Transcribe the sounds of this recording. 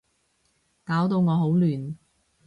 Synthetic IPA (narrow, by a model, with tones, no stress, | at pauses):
kaː˨˥wt̪o˧wŋɔː˨˧ɦo˨˥wlyː˨˩n